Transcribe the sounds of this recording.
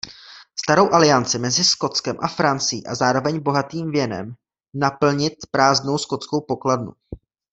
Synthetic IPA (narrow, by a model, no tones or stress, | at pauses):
st̪aɾo̞wʔalɪjant͡sɪmɛzɪsko̞t͡skɛmʔafɾant͡sɪjḭːʔazaːɾo̞vɛɲbo̞ɦat̪iːmvjɛnɛ̰m | napl̩ɲɪt̪pɾaːzdno̞wsko̞t͡sko̞wpo̞kladnṵ